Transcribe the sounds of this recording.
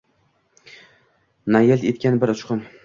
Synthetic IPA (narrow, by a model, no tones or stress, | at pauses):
najelt̪et̪̚kʲanbɪɾʊt͡ʃqʊn